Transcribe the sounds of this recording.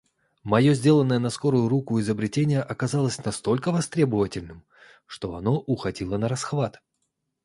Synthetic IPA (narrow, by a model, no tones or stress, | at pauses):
mɐjo̞zʲdʲe̞lˠənːəjənɐsko̞ɾʊjʊɾukʊɪzəbɾʲɪtʲenʲɪjəʔɐkɐzalˠəsʲnɐst̪o̞lʲkəvɐst̪ɾʲe̞bəvətʲɪlʲnɨm | ʂt̪o̞ɐno̞ʔʊxɐdʲilˠənəɾɐsxvat̪